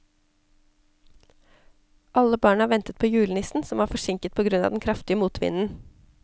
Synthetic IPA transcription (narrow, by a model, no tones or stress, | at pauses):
ʔɑləbɑːɳhɑːʋɛnt̪ət̪̚pʰoːjʉːlənɪsn̩sɔmɑːɾfɔʂɪŋkət̪̚pʰoːɡɾʉnɑ̰ːd̪ɛnkʰɾɑft̪ɪəmuːt̪ʰʋɪ̰nn̩